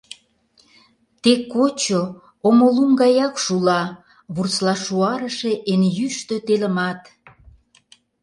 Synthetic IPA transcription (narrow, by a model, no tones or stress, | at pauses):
t̪ekːot͡ɕo | omoluŋɡɑjɑkʃulɑ | βurt͡slɑʃuɑɾəʃeʔenjyʃt̪øt̪eləmɑt̪